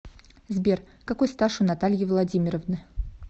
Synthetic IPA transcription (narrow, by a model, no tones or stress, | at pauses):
zbʲer | kɐkojst̪aʂʊnat̪alʲjɪvlˠɐdʲimʲɪɾəvnɨ